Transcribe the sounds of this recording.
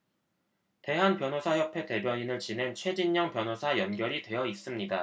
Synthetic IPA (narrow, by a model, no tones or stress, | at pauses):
te̞ɦanpjʌnosʰajʌpʰe̞te̞bjʌɲinɯɭt͡ɕinɦe̞nt͡ɕʰwe̞d͡ʑinɲʌŋpjʌnɦosʰajʌnɡjʌɾitwe̞jʌis͈ɯmɲida